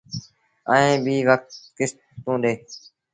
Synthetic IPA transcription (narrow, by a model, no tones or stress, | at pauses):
əːẽːbʱiːʋək̚t̪kɪs | t̪ũːɗ̪eː